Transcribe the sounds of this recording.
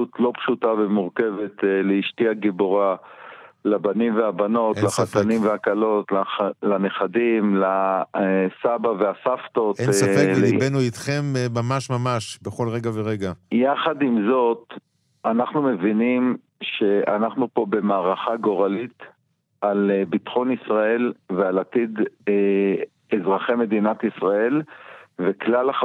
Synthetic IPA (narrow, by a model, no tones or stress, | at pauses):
ut̪lo̞pʃutavemuʁke̞vetleiʃtiaɡiboʁa | labanimveabano̞tlaχat̪animveakalo̞tlalaneχadimla | sabaveasaft̪o̞t̪seibenuit̪χemːamaʃmamaʃbeχo̞lʁeɡaveʁeɡajaχad̪imzo̞t̪ | anaχnume̞vinim | ʃe̞a̰naχnupo̞be̞maːʁaχaɡo̞ʁalit̪ | albitχo̞nisʁae̞lvealat̪id̪ | ezʁaχeme̞dinat̪isʁae̞lveklala